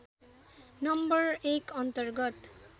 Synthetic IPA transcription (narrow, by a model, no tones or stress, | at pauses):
nʌmbʌɹekʌnt̪ʌrɡʌt̪